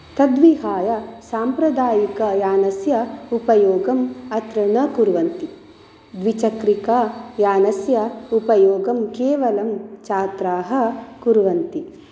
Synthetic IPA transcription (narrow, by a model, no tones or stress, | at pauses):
t̪ɐd̪ʋiɦaːjɐsaːmpɾɐd̪aːjikɐjaːnɐsjɐupɐjoːɡɐmɐt̪ɾɐnɐkuɾʋɐnt̪i | d̪ʋit͡ʃɐkɾikɐjaːnɐsjɐupɐjoːɡɐmkeːʋɐlɐmt͡ʃaːt̪ɾaːɦɐ̆kuɾʋɐnt̪i